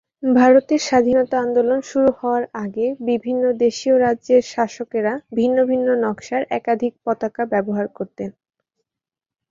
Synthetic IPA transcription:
bʱaɾot̪eɾʃad̪ʱinɔt̪aand̪olonʃuɾuhɔoaɾaɡebibʱinːod̪eʃioɾadʑeɾʃaʃokeɾabʱinːobʱinːonɔkʃaɾɛ̰kad̪ʱik̚pɔt̪akabɛboɦaɾkoɾt̪en

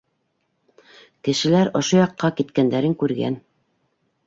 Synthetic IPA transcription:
kɘ̆ʃɘ̆læɾŏʃojɑqːɑkit̪kænd̪æɾɘŋkʉɾɡæ̰n

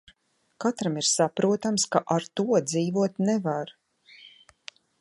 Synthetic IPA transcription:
kat̪ɾamiɾsapɾuɔt̪amskaʔaɾt̪uɔd̪ziːvuɔt̪nɛvaɾ

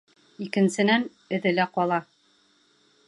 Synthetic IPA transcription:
ikɘ̆nsɘ̆næn | ɵ̆ðɘ̆læqɒlˠɑ

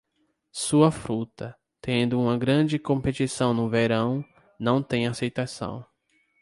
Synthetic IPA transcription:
suɐfɾut̪ɐ | t̪ẽnd̪ʊũmɐɡɾɐ̃d͡ʒɪkõpet̪isɐ̃w̃nʊveɾɐ̃w̃ | nɐ̃w̃t̪ẽj̃asejt̪asɐ̰̃w̃

